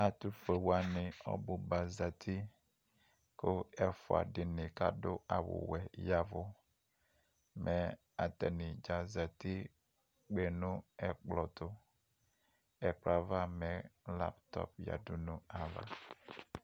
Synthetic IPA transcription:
a˨tu˦fe˨wa˦nɪ̃˨ɔ̰˦bʊ˨ba˨za˨tʰi˦ | kʊ˦ɛ˦fʊ˨a̰˨dɪ˨nɪ̃˨ka˦dʊ˦a˨wʊ̰˨wɛ˨ja˨vʊ˨ | mʔɛ˨ | a˨tɛ˨nɪ̃˨d͡ʒa˨za˨ti˦ | k͡pe˨nʊ̃˦ɛ˨k͡plɔ˨tʊ˦ | ɛ˨k͡pla˨va˦mɛ̃˨˦la̰˦ptɔ̰˦pja̰˨du˦nʊ̃˦a˨va̰˨

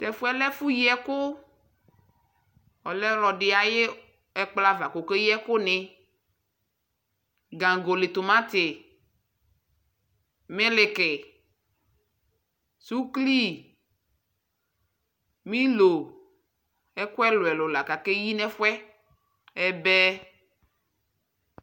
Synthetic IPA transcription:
t̪ɛ˨fu˦ɛ˦lɛ˦fu˦ji˦ɛ˦ko˦ | ɔ˨lɛ˦lɔ˨ɖɪ˨a˨je˦ | ɛ˦k͡pla˦va˨ko˨ke˦ji˦ɛ˦ko˦nɪ̃˨˦ | ɡã˨ɡo˨le˨t̪o˨mã˦t̪ɪ˨ | me˦le˨ke˨ | su˦kli˦ | mĩ˦lo˨ | ɛ˦ko˦ɛ˦lo˨ɛ˨lo˨la˨ka˨ke˦ji˦nɛ̃˦fwɛ˦ | ɛ˦bɛ˦

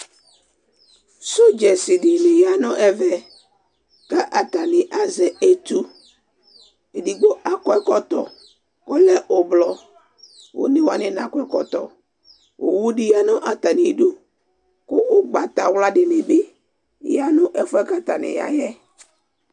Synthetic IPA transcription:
so˦d͡ʒɛ˨sɪ˨dɪ˦nɪ̃˦ja˦nʊ̃˨ʔɛ˨vɛ˨ | ka˦ʔa˨t̪a˨nɪ̃˨ʔa˨zɛ˨e˦t̪u˦ | e˨di˨ɡ͡bo˦ʔa˨kɔ˨ɛ˦kɔ˨t̪ɔ˨ | kɔ˦lɛ˦ʔo˨blɔ˨ | wo̰˨˦nɪ̃˦wa˨nɪ̃˦nã˨kɔ˦ɛ˦kɔ˨t̪ɔ˨ | wo̰˨wu˦dɪ˦ja˦nʊ̃˦ʔa˨t̪a˨nɪ̃˨du˦ | kʊ˦ʔʊ˦ɡ͡ba˨t̪a˨wla˨dɪ˦nɪ̃˦bɪ˦ | ja˦nʊ̃˦ʔɛ˨fʊ˦ɛ˦ka˦t̪a˨nɪ̰̃˨ja̰˨jɛ˦

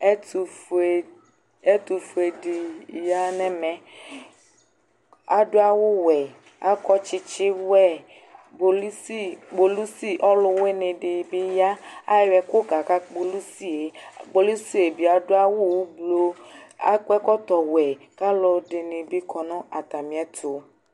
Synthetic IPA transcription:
tu˨f | e˦t̪u˨fu˨e˨dɪ˨ja˦nɛ̃˦mɛ̃˨ | a˨dʊ˦a˦wʊ˦wɛ˨ | a˦kɔ˦t͡ʃɪ˦t͡ʃɪ˦wɛ˦˨ | bo˨li˦si˦ɡ͡bo˨lu˦si˦ʔɔ˦lʊ˦we˦nẽ˨ɖɪ˨bɪ˦ja˦a˦˨wɛ˨kʊ˦ka˨ka˦k͡po˨lu˦si˦e˨k͡po˨lu˦si˦e˨bi˨a˨dʊ˦a˦wʊ˦wblo˦a̰˦kɛ˦kɔ˦t̪ɔ˨wɛ˨ka˦lɔ˨ɖe˨nẽ˨bi˦kʰɔ˨nɔ̃˦a˨t̪a˨mĩ˨ɛ˦t̪ʰʊ˨

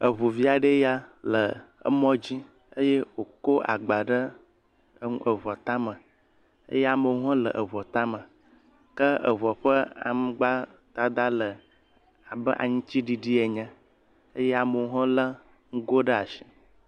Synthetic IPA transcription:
ə˨βu˨vi˦a˨ɖə˦ja˦lə˨ə̰˦mɔ̃˦d͡ʑi˦ | ə˦je˦wo˨ko˦ʔa̰˨ɡ͡ba˨ɖə˦ | ŋ˦ʔə˨βɔ˨t̪a˦mə̃˨ | ə̰˦jɛ˦a˨mə˨wɦɔ̃˦lə̰˨ʔə˨βɔ˨t̪a˦mə˨ | kə˦ə̰˨βɔ˨ɸə˦a̰˨m˦ɡ͡ba˦ | t̪a˦d̪a˦lə˨ | a˨bə˦ʔa̰˨ɲũ˦t͡ɕi˦ɖi˨ɖi˦e˨ɲə̃˦ | ə˦je˦a˨mə˨wɦɔ̃˦lə˦ | ŋ̩˦ɡo˦ɖə˦a˨ʃi̥˨

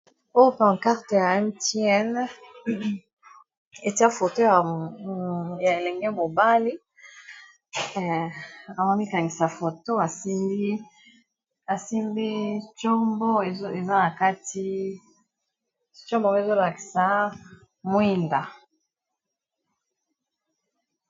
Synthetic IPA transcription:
o˦pã˨ŋ˨ka˦ʁte˨ja˨ɛ˦mti˦ɛ˦n | e˨ti˦a˦fo˨to˦ja˨ | ja˨e˨lɛ˨ŋɡɛ˦mo˨ba˦li˦ | a˨ma˦mi˦ka˨ŋɡi˨sa˨fo˨to˦a˨si˦mbi˦ | a˨si˦mbi˦t͡ʃɔ˦mbɔ˦˨˦e˨za˦na˨ka˦ti˦ | t͡ʃɔ˦mbɔ˦e˨zo˦la˨ki̥˨sa˨˦ | mwi˦nda˨

